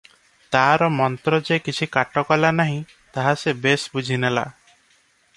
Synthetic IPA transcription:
t̪aɾɔmɔnt̪ɾɔd͡ʒekit͡ʃʰikaʈɔkɔlanaɦĩ | t̪aɦasebesbud͡ʒʱinela̰

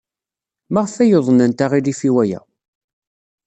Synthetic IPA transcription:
maʁəfæjoðˤənænt̪aʁilifiwæjæ̰

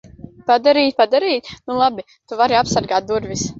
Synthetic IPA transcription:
pad̪aɾiːt̪̚ʲpad̪aɾiːt̪̚ʲnulˠabi | t̪uvaɾiapsaɾɡaːt̪̚d̪uɾvis

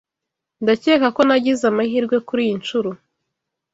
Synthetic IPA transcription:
ndaceːkako̞naɟizamahiːɾɡwe̞kuɾijint͡ʃuɾu

